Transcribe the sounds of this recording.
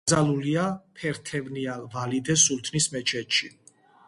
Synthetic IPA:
zaluliapʰɛɾt̪ʰɛvnialvalid̪ɛsult̪ʰnismɛt͡ʃʰɛt̪ʃi

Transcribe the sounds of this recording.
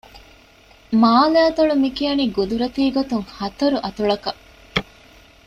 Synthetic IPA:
maːlaːt̪ɐɭumikiɐniɡud̪uɾɐt̪iːɡot̪uŋhɐt̪ɐɾuʔɐt̪uɭɐkɐ

